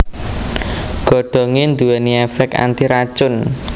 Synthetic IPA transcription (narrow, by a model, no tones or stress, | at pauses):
ɡ̥ɔ̤ɖ̥ɔ̤ŋend̪uwɛniɛfɛka̰nt̪iɾḁt͡ʃʊn